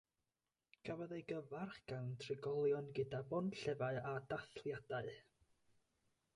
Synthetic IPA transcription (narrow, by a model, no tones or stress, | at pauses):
ɡ̥ʰavɔðejɡəvarχɡ̥awntʰrɪɡɔlˠjɔnɡədabɔnɬɛvaɨadaθlˠjadaɨ